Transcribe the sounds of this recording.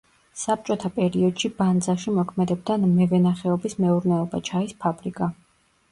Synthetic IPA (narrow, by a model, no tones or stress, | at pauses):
sap̚t͡ʃʼɔt̪ʰapʼɛɾiɔd̪̥ʃiband̪zaʃimɔkʰmɛd̪ɛb̚d̪anmɛvɛnaχɛɔbismɛuɾnɛɔbat͡ʃʰaispʰabɾikʼa